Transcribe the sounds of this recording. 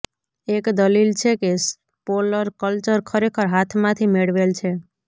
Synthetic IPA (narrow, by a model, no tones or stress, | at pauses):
ekd̪əlilt͡ʃʰekes | poləɾkəlt͡ʃəɾkʰəɾekʰəɾɦat̪ʰmãt̪ʰimeɽʋelt͡ʃʰe